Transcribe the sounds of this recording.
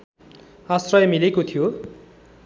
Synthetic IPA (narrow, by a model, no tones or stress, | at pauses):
asrʌjʌmilekot̪ʰijo